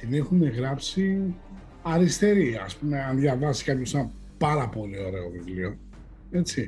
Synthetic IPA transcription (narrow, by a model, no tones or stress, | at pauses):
t̪ine̞xune̞ɣɾɐpsi | ɐɾist̪e̞ɾiɐ̰spume̞ɐnðjɐvɐsi̥kɐpçosɐ | pɐɾɐpo̞lio̞ɾe̞o̞vivlio̞ | e̞t͡si